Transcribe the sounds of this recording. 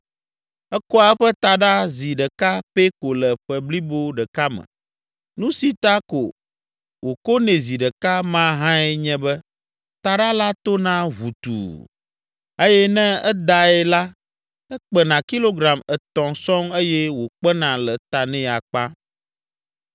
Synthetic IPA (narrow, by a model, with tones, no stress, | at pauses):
ɛ˦kɔ˦a˦ɸɛ˦t̪a˨ɖa˦zi˨ɖɛ˨ka˦pe˦ko˨lɛ˨ɸɛ˨bli˦bo˦ɖɛ˨ka˦mɛ̰̃˨ | nũ˦si˨t̪a˦ko̰˨ | wo˨ko˦nɛ̃˨zi˨ɖə˨ka˦mã˦ɦã˦ɛ˦ɲɛ̃˦bɛ˦ | t̪a˨ɖa˦la˦t̪o˦nã˦βu˨t̪ṵ˨ | e˦jɛ˦nɛ̃˦ɛ˦d̪a˨ɛ˦la˦ | ɛ˦k͡pɛ˨nã˨ki˦lo˦ɡɾa˨mɛ˨t̪ɔ̃˨sɔ̃˦me˦jɛ˦wo˨k͡pɛ˦nã˨lɛ˨t̪a˨nɛ̃˦˨a˨k͡pã˦